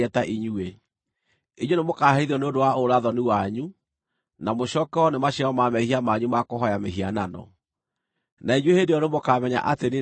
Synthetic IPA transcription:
ɛtaʔiɲue | iɲonemokahaiðiɔneondowaoɾaðɔniwaɲu | namoʃɔkɛɔnemaɕiaɔmamɛhiamaɲumakoɦɔjameɦiananɔ̰ | naiɲwehedeɔnemokamɛɲa̰ʔatene

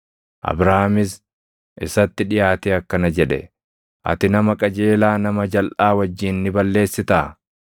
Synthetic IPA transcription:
ʔɐ̰bɾamɪs | ʔɪsɐt̪ːɪᶑɪjaːt̪eɐkːɐnɐd͡ʒɛᶑɛ̰ | ʔɐ̰t̪ɪnɐmɐkʼɐd͡ʒeːlaːnɐmɐd͡ʒɐlʔaːwɐd͡ʒːiːnːɪbɐlːe̞ːsːɪt̪aː

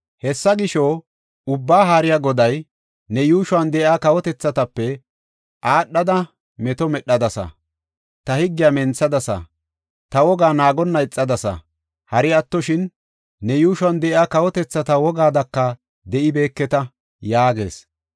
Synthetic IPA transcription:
hɛsːɐɡɪʃoː | ʊbːaːɦaːɾɪjaɡɔd̪ɐj | nɛjuːʃʊwɐnd̪ɛʔɪaːkɐwɔt̪ɛt͡sːɐt̪ɐpːɛ | ʔaːɗːɐd̪ɐ | mɛt̪ɔmɛɗːɐd̪ɐsɐ̰ | t̪ɐhɪɡːɪjamɛnt͡sːɐd̪ɐsɐ̰ | t̪ɐwɔɡaːnaːɡɔnːɐɪt͡sʼːɐd̪ɐsɐ̰ | hɐɾɪɐt̪ːɔʃɪnː | ɛjuːʃʊwɐnd̪ɛʔɪaːkɐwɔt̪ɛt͡sːɐt̪ɐwɔɡaːd̪ɐkːɐ | d̪ɛʔɪbe̞ːkːɛt̪ɐ | jaːɡe̞̰ːs

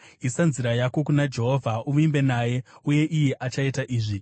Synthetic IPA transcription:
isanziɾajako̞kunad͡ʒe̞ɦo̞vʱaumimbe̞naje̞uje̞ʔijeʔat͡ʃaitaʔiːʐi

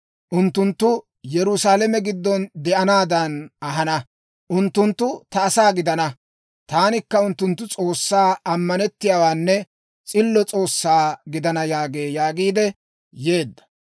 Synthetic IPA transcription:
ʔʊnt̪ːʊnt̪ːʊ | jɛɾʊsaːlɛmɛɡɪd̪ːɔnd̪ɛʔɐnaːd̪ɐnɐɦɐnɐ | ʔʊnt̪ːʊnt̪ːʊt̪ɐːsaːɡɪd̪ɐnɐ | t̪aːnɪkːɐʊnt̪ːʊnt̪̬ːʊt͡sʼo̞ːsːaːɐmːɐnɛt̪ːɪjaːwaːnːɛ | t͡sʼɪlːɔt͡sʼo̞ːsːaːɡɪd̪ɐnɐjaːɡeːjaːɡiːd̪ɛ | je̞ːd̪ːɐ̥

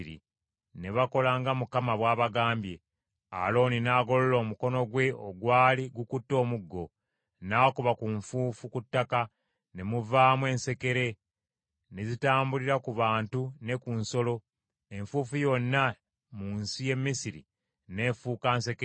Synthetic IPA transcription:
ɾḭ | ne̞βako̞laːŋɡamukamaβwaːβaɡaːmbje̞ | a̰lo̞ːninaːɡo̞lolo̞ːmuko̞no̞ɡwe̞oɡwaːliɡukutːo̞ːmuɡːo̞ | naːkuβakuɱfuːfukutːaka | ne̞muvaːmwe̞ːnse̞ke̞ɾe̞ | nezitaːmbuliɾakuβaːntune̞kunso̞lo̞ | e̞ɱfuːfujo̞nːa | muːnsije̞mːisiɾḭ | ne̞ːfuːkaːnse̞ke

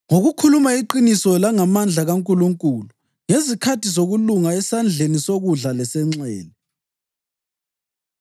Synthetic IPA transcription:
ŋoɣukʰulumaiǃinisɔlaŋamand͡ɮʱaɣaŋkʼuluŋkʼulu | ŋesikʰatʰizoɣuluŋaɛsand͡ɮʱenisoɣuɮalɛsɛŋ͡ǀɛ̰ːlɛ

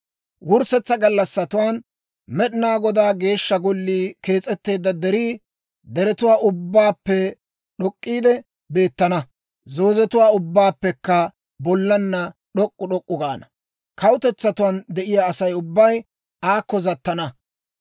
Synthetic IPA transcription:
wʊɾsɛt͡sːɐɡɐlːɐsːɐt̪ʊwaːn | mɛɗɪnaːɡɔd̪aːɡe̞ːʃːɐɡɔlːiːke̞ːt͡sʼːɛt̪ːe̞ːd̪ːɐd̪ɛɾiː | d̪ɛɾɛt̪ʊwaːʔʊbːaːpːɛ | ɗɔkʼːiːd̪ɛ | be̞ːt̪ːɐnɐ | zo̞ːzɛt̪ʊwaːʊbːaːpːɛkːɐ | bɔlːɐnːɐɗɔkʼːʊɗɔkʼːʊɡaːnɐ | kɐwʊt̪ɛt͡sːɐt̪ʊwaːnd̪ɛʔɪjaːsɐjʊbːɐj | aːkːɔzɐt̪ːɐnɐ

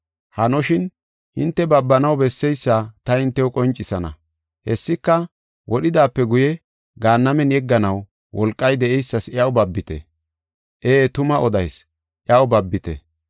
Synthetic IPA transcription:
hɐnɔʃɪn | hɪnt̪ːɛbɐbːɐnɐwbɛsːɛjsːaːt̪ɐhɪnt̪ːɛwʊkʼɔnt͡ʃʼːɪsɐnɐ̰ | hɛsːɪkːɐ | wʔɔɗɪd̪aːpːɛɡʊjɛ | ɡaːnːɐmɛnjɛɡːɐnɐw | wɔlkʼːɐjd̪ɛʔɛjsːɐsɪɐwbɐbːɪt̪ɛ̰ | ʔeːt̪ʊmɐʔɔd̪ɐjs | ʔɪjɐwbɐbːɪt̪ɛ̰

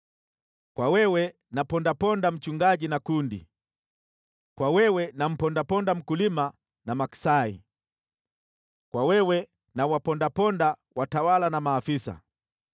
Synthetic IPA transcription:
kwawɛwɛ | napɔndapɔndam̩t͡ʃuŋɡaʄinakundḭ | kwawɛwɛnam̩pɔndapɔndam̩kulima | namaki̥saḭ | kwawɛwɛ | nawapɔndapɔndawatawalanamaːfisa̰

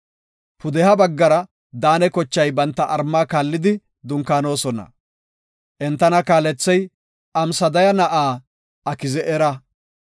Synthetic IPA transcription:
pʊd̪ɛhɐbɐɡːɐɾɐ | d̪aːnɛkɔt͡ʃːɐjbɐnt̪ːɐʔɐɾmːaːkaːlːɪd̪ɪ | d̪ʊŋkaːno̞ːsɔnɐ̰ | ʔɛnt̪ːɐnɐkaːlɛt͡sːɛj | ʔɐmsɐd̪ɐjɐnɐʔaː | ɐkɪzɛʔɛɾɐ

